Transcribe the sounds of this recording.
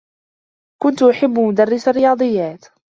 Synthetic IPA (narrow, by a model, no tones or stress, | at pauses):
kʊnt̪ʔʊħɪbːmʊd̪arːɪsarːɪjɑːd̪ˤɨjːaːt̪